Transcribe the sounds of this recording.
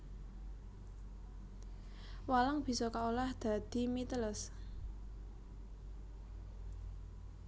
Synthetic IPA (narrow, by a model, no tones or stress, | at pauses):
walaŋb̥i̤sɔkaolahd̪̥a̤d̪̥i̤mit̪ələs